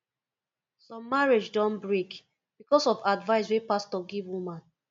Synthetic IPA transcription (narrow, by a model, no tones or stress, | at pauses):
sɔ̃mːaɹed͡ʒdɔ̃nbɹek | b̥ikɔsɔfadvaɪswepastɔɡivwumãn